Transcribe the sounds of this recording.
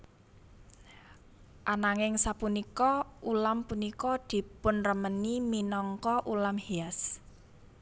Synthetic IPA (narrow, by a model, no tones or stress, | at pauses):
ʔanaŋɪŋsapunikɔʔulampunikɔd̪̥i̤pʊnrəməniminɔŋkɔʔulamheas